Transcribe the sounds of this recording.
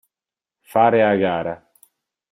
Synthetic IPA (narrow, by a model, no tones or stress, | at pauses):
faːɾeaɡaːɾa